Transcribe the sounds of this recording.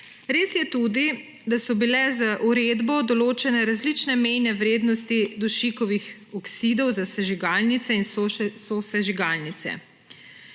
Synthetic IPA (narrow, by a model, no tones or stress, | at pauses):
ɾeːsjɛt̪ud̪i | d̪asɔbilɛzaʔuɾed̪bɔd̪ɔloːt͡ʃɛnɛɾazlit͡ʃnɛmɛjnɛʋɾeːd̪nɔst̪id̪ɔʃikɔʋix | ɔksid̪ɔwzasɛʒiɡaːlnit̪sɛinssosɛʒiɡalnit̪sɛ̰